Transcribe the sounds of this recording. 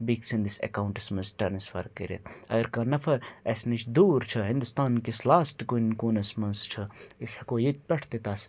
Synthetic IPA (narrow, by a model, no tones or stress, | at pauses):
biksĩnd̪isḛkaːwɳʈɐsmɐnsʈɐɾnɐsfɐ̰ɾkːɐɾḛt̪ʰɐ̰ɡəɾkaːnɐfʰɐɾɐsnit͡ʃʰd̪uːɾt͡ʃʰɐɦɪ̃nd̪ust̪aːnkislaːsʈkunkoːnɐsmɐnst͡ʃʰɐisɐkoːjit̪̚ʲpʲɐʈʰt̪et̪aːs